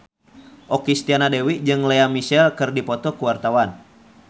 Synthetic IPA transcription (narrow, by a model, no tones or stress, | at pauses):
ʔɔkist̪ianadɛwid͡ʒɨŋlɛamisɛlkɨrdipɔt̪ɔkuwart̪awan